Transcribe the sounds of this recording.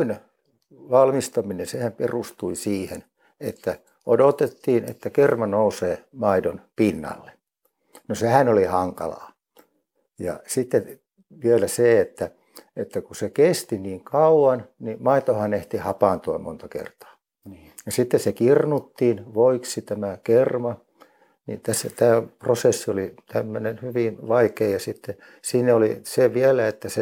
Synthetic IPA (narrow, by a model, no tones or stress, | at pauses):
in | ʋɑlmist̪ɑminensehæmperust̪uisiːhḛn | et̪ːæ | odot̪et̪ːiːnḛt̪ːækermɑnouseːmɑidonpinːɑ̰lːe | nosehænolihɑŋkɑ̰lɑ̰ː | jɑ̰sit̪ːe | ʋielæseet̪ːæ | et̪ːækusekest̪iniːŋkɑuwɑnnimɑit̪ohɑneht̪ihɑpɑˑnt̪uɑmo̰nt̪ɑkḛrt̪ɑ̥ː | jɑsit̪ːessekirnut̪ːiːnʋoiksit̪æmækermɑ | nḭt̪æsːæt̪æːprosesːiolit̪æmːønenhyʋinʋɑikeːjɑsit̪ːe | siːnæoliseʋiælæet̪ːæse